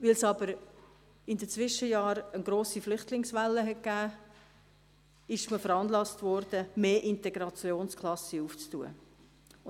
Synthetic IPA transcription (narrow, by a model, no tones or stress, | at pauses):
ʋɪlsɑb̥əɾ | ɪndət͡sʋɪʃəjɑːɾənɡɾoːsiflʏχtlɪŋsʋælːəɦɛt̚ɡ̥æː | ɪʃməfəɾɑnlɑstvɔɾd̥əmeːʔɪntɛɡ̥ɾɑt͡sjoːnskʰlɑsəuːft͡stuːə̰